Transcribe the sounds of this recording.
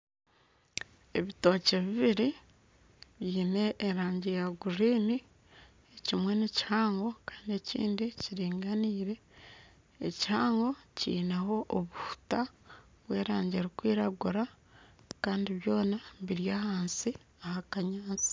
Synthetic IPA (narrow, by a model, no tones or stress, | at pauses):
e̞βito̞ːce̞βiβiɾi | βjiːne̞ʔːɾaːɲɟejaɡuɾiːni | ecimwe̞neci̥haːŋɡo̞kḁːndie̞cḭːndiciɾiːŋɡaniːɾe̞̰ː | cihaːŋɡo̞cḭːnaɦo̞ʔːβufu̥ta | βwe̞ːɾaːɲɟeɾikwiːɾaɡuɾa | kaːndiβjo̞ːnaβiɾjaːhaːnsi | ahakaɲaːt͡si̥